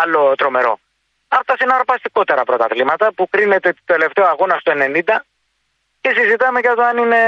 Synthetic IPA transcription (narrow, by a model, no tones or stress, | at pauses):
ɐlːo̞t̪ɾo̞me̞ɾo̞̰ | ɐpt̪ɐsenɐɾpɐst̪iko̞t̪e̞ɾɐpɾo̞t̪ɐðlimɐt̪ɐpukɾine̞t̪et̪ele̞ft̪e̞oɐɣo̞nɐst̪oene̞nind̪ɐ | cesizit̪ɐmecɐt̪oɐnine̞